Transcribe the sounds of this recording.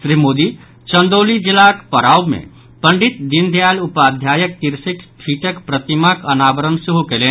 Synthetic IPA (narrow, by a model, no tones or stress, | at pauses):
sɾimoːd̪i | t͡ʃə̃nd̪oːlid͡ʒilakpəɾaːbmḛ̃ | pəɳɖɪt̪̚d̪ind̪ʱjaːlupaːd̪ʱjaːjək̚t̪iɾsikʈʰiʈəkpɾət̪imakənaːbəɾənsɪɦokeleː